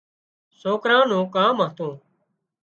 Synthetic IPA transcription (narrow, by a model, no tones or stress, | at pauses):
soːkɾãːnũːkãːmaːt̪ũː